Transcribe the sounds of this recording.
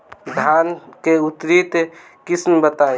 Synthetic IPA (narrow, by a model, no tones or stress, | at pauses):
d̪ʱankeut̪ɾit̪ | kismbət̪ae